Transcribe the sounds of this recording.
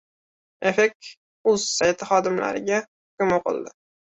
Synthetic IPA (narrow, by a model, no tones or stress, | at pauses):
efekʲ | ʊz̥sajt̪ʰɪχɒd̪ɪmla̰ɾɪ̰ɡʲahʊkʲʊmoqʰɨ̰lˠd̪ɪ